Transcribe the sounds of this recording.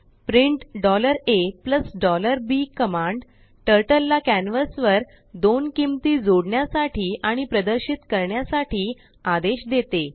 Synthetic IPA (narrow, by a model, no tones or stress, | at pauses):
pɾiɳʈɖɔləɾepləsɖɔləɾbikəmãɳɖ | ʈəɾʈəlːakænʋəsʋəɾ | d̪onkimt̪iːd͡zoɽɳjasaʈʰiːʔaɽ̃ipɾəd̪əɾɕit̪kəɾɳjasaʈʰiː | ad̪eɕd̪et̪e